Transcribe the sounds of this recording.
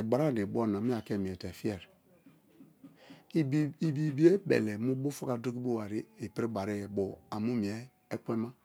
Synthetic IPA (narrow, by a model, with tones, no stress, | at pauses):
e˨ɡ͡ba˨ɾa˦˨de˨bo˦˨na˨mi˦a˨ke˦˨mi˨ɛ˨te˨fi˦ɛ˨ɾ | i˨bi˨bi˨˦e˦bḛ˨le˨mu˦bo˦fu˦ka˦do˦ki˦bo˦wa˨ɾi˦e˨pi˦ɾi˦ba˨ɾe˦˨bo˨a˨mu˦mi˨e˦ | e˦k͡pʷe˦ma˦